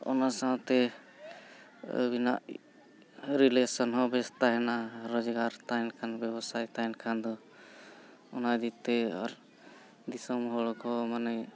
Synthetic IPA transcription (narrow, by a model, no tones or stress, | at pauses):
ɔ̰nasawt̪ɛ | bina̰ʔ | ɾilesɔnɦɔbɛst̪aɦɛnaɾɔd͡ʒɡaɾt̪ajnkʰanbɛbɔsajt̪ajnkʰand̪ɔ | ɔnad̪it̪ɛɔ̰ɾ | d̪isɔmɦɔɭɔkɔmanɛ